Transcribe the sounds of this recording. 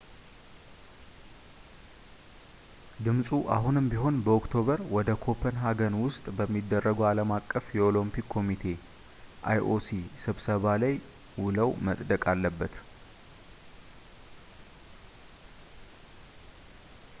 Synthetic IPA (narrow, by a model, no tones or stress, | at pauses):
d̪ɨmsʼuʔa̰ɦunɨmbiɦo̞nbəokt̪ʰo̞βəɾwɔd̪əkʰo̞pʰənɦaɡənwʊst̪ʼbəmːid̪ːərːəɡəwaləmakʼːəfjɛo̞lompikʰːo̞mit̪ʰe̞ | ʔa̰jʔo̞sisɨβsəβalaj | wʊləwməsʼd̪əkʼalːəbːət̪